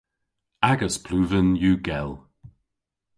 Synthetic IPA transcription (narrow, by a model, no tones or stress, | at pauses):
aɡəspʰl̥uːvənjuːɡɛlˠ